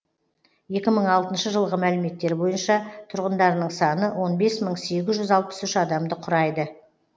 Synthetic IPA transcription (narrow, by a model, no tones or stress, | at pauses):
je̞kʲɪməɴɑlˠt̪ənʃəʒəlˠʁəmælɪme̞t̪ːe̞ɾbo̞jənʃɑt̪ʰʊɾʁənd̪ɑɾnəɴsɑnəwʔo̞nbe̞sməɴse̞ɡʲɪzʒʏzɑlˠpə̥sʏʃɑd̪ɑmd̪əqʰʊɾɑjd̪ə